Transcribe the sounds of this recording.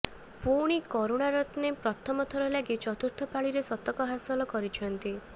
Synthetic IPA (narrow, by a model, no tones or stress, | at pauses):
puɽ̃ikɔɾoɽ̃aɾɔt̪nepɾɔt̪ʰɔmɔt̪ʰɔɾɔlaɡit͡ʃɔt̪uɾt̪ʰɔpaɭiɾesɔt̪ɔkɔɦasɔlɔkɔɾit͡ʃʰɔnt̪i